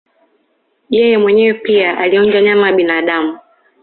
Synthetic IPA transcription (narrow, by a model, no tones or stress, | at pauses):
jɛjɛmwɛɲɛwɛpiaʔaliɔɲd͡ʒaɲamajaɓinaːɗamu